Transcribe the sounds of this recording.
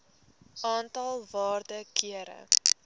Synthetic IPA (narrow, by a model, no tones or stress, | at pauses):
ʔɑːntɐlˠvɑːrdəkiəɾə̰